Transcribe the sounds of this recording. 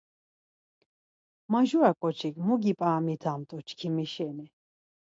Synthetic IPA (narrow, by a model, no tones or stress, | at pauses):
maʒuakʼɔt͡ʃʰikʼmuɡipʼaːmit̪ʰamt̪ʼɔt͡ʃʰkʰimɛʃɛnɛ